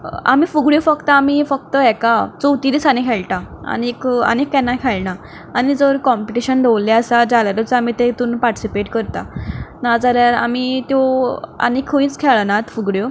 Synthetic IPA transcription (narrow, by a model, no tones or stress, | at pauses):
a̰m̤iːfuɡɽjofəkt̪aːm̤ifək̚t̪əɛkat͡sowt̪iːd̪isanikʰɛɭʈ̪aə̰nekə̰nekʰːɛnːakʰɛɭɳaː | ñid͡zəɾkɔmpiʈiɕənɖowlːaəsad͡zalaɾət͡sam̤it̪et̪uːnpaɾʈi̥sipeʈkəɾt̪a̰nad͡zəɾjaɾa̰mit̪joa̰nekʰːəĩt͡skʰɛɭənat̪fuɡɽjo